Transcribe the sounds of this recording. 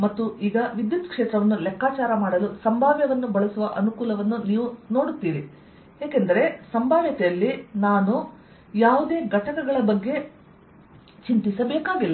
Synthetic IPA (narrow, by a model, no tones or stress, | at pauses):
mɐt̪ːuʔiːɡɐʋid̪jut̪kʂeːt̪ɾɐʋɐnːulɛkːaːt͡ʃaːɾɐmaːɽɐlusɐmbʱaːʋjɐʋɐnːubɐɭɐsuʋɐʔɐnukuːlɐʋɐnːuniːʋuno̞ːɽut̪ːiːɾi | eːkend̪ɐɾe̞sɐmbʱaːʋjɐt̪ɛjɐlːinaːnu | jaːʋud̪e̞ːɡʱɐʈɐkɐɡɐɭɐbɐɡːe̞ | t͡ʃint̪isɐbeːkaːɡilːɐ